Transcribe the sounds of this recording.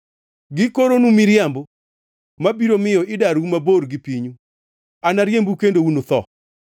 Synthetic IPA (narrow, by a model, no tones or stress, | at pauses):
ɡɪkoɾonumiɾjambo | mabiɾomɪjɔɪdaɾumaboɾɡɪpiɲu | anaɾjembukendounot̪ɔ